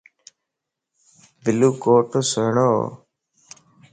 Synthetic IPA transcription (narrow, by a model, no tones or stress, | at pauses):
b̪ɪluːkoːʈosəɦɳoː